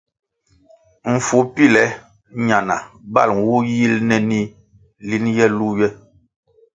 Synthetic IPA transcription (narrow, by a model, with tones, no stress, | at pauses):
m̩˨fu˨˦pi˦˨lɛ˨˦ | ɲa˨na˨ba̰˦˨lŋ˨wu˦ji˦lnɛ˦ni˦ | li˦njɛ˦lu˦jɛ˦